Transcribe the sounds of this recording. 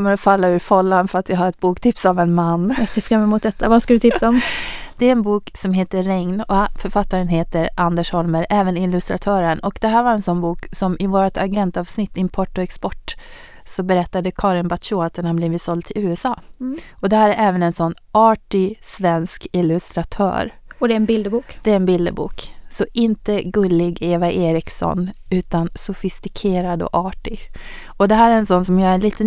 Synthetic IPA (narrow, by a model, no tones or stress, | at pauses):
ɔmːəɾɔfalːaʉ̟ɾfɔlːand̪fœɾat̪vɪɦaɾɛt̪̚buːkt̪ʰɪpsavɛnmanːseːfɾamːəmʊt̪̚d̪ɛt̪ʰːavaskald̪ɵt̪ʰɪp̪saɔmd̪̥ɛæɾɛnbuːksɔmɦeːt̪əɾɛŋnɔfœɾfat̪ːaɾənɦeːt̪əɾʔand̪əʂhɔlməɾʔɛːvənɪlːɵst̪ɾa̰t̪ʰœːɾənɔkd̪̥ɛɦæːɾvaɾɛnsɔnːbuːksɔmʔɪvoːɾat̪ʰaɡɛnt̪ɑːvsnɪt̪ːɪmpʰɔʈːɔɛkspɔʈː | sɔbɛɾɛt̪ːad̪əkʰɑːɾɪnbat̪ʃuːat̪ɛnhambliːvɪt̪sɔld̪̚t̪ʰɪlʉːɛsɑːɔd̪ɛhæːɾɛɾʔɛːvənɛnsɔnː | ɑːʈɪsvɛnskɪlɵst̪ɾat̪ʰœ̰ːɾɔd̪ɛɛnbɪld̪əbuːkd̪̥ɛæɾɛnbɪld̪ə̰bṵːksɔʔɪnt̪əɡɵlːɪɡeːvaʔeːɾɪksɔ̰nʉ̟ːt̪ansʊfɪst̪ɪkʰeːɾad̪ɔ̰ʔɑːʈɪɔd̪ɛɦæːɾɛɾɛnsɔnːsɔmjɑːɾɛnliːt̪ə